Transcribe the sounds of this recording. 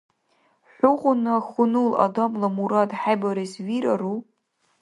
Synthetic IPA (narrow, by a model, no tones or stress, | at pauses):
ħʷʊʁʷʊnɨχʊnula̰damlamuɾadħajbaɾisɥiɾaru